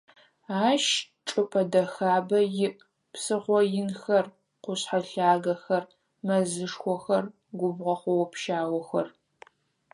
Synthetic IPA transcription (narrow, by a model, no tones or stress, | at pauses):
aːʃ | ʈ͡ʂʼɨpʼɐdɐxaːbɐjɪʔ | psɨʁʷɔjɪnxɐr | qʷʊɕħaɬaːɡɐxɐr | mɐzɨʂxʷɔxɐr | ɡʷʊbʁɐχʷɔwɔpʰʃaːwɔxɐr